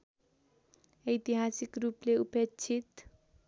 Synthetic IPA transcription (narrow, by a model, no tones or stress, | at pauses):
ʌjt̪iɦasikrupleupet͡sʰit̪